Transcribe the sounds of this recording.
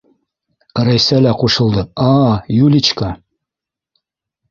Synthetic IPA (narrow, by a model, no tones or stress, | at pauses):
ɾæjsælæquʃɤ̆lˠd̪ɤɑjulʲit͡ɕkɑ